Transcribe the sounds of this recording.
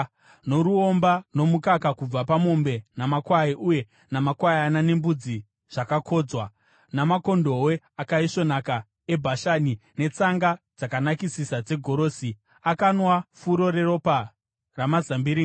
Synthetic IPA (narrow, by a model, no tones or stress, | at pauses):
no̞ɾuo̞mbano̞mukakakub͡vapamo̞mbe̞namakwaiʔuje̞ | namakwajanane̞mbud͡zi | ʐ̥akakʰo̞ːd͡zwa | namako̞ndo̞we̞ | akaiʂo̞naka | ebʱaʃanine̞t͡saŋɡad͡zakanakisisad͡ze̞ɡʱo̞ɾo̞ːsi | akanwafuɾo̞ɾeɾo̞pa | ramazambiɾi